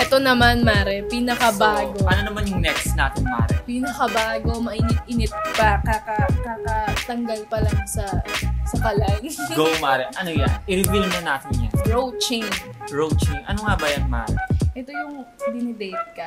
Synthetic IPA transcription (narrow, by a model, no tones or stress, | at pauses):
ʔɛt̪o̞nɐmanmaːɾɛpinɐkɐbaːɡo̞ʔɐnonɐmanjʊŋnɛksnaːt̪ɪnma̰ɾɛ̰piːnɐkɐbaːɡo̞mɐʔɪnɪt̪̚ʔɪnɪt̪̚pɐkɐkɐkakɐt̪ɐŋɡɐlpɐlɐŋsɐsɐkɐlajɡowmaːɾɛʔɐnoja̰nʔɪɾɪbɪlnɐnaːt̪ɪnja̰nɹowt͡ʃiŋɹowt͡ʃinʔɐ̰no̞ŋabɐjanma̰ːɾɛ̰ʔɛt̪o̞jʊŋd̪ɪnɪd̪ɛjt̪̚kɐ